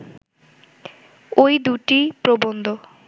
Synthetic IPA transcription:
ojd̪uʈipɾobond̪o

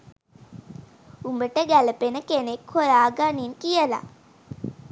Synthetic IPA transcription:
umbəʈəɡæləpenəkenekhojaːɡaninkijəla̰

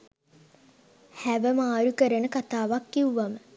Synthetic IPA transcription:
hæʋəmaːɾukəɾənəkat̪aːʋakːiuʋamə

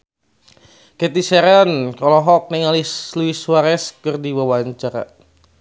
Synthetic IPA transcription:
kɛt̪isɛɾankɔlɔɦɔk̚nɛŋalisluiswaɾɛskɨrdiwawaɲt͡ʃaɾa̰

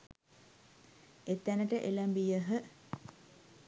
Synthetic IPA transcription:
et̪ːænəʈəʔeləmbijəɦə

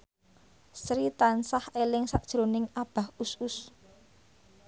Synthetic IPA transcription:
sɾit̪ansahelɪŋsaʔd̥ʒ̥ɾonɪŋab̥a̤husus

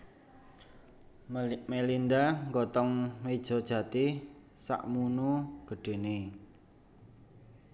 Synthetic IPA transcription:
melind̪aŋɡɔt̪ɔŋmed̥ʒ̥ɔd̥ʒ̥ä̤t̪i | sa̰ʔmunuɡ̥ə̤ɖ̥e̤ne

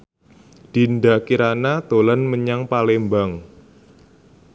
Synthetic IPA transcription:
d̥indakiɾanat̪olanməɲaŋpalembaŋ

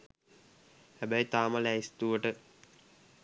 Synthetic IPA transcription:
hæbəjt̪aːməlæist̪uʋəʈə

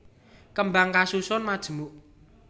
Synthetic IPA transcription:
kəmbaŋkasusʊnmad̥ʒ̥ə̤muʔ

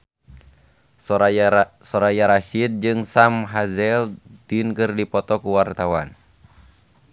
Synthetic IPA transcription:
sɔɾajaɾaʃid̪̚d͡ʒɨŋsamɦazɛlt̪inkɨrdipɔt̪ɔkuwart̪awan

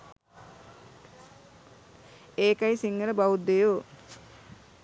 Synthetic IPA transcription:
eːkajisiŋɡələbawud̪ejoː

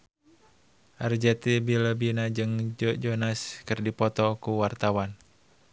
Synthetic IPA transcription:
ʔard͡ʒɛt̪ibiləbinad͡ʒɨŋd͡ʒɔd͡ʒɔnaskɨrdipɔt̪ɔkuwart̪awan

